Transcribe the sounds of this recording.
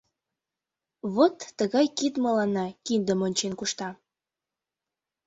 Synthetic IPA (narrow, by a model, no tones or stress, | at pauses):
βot̪ːəɣɑjkid̪məlɑnːɑkind̪əmonʲt͡ɕenkuʃt̪ɑ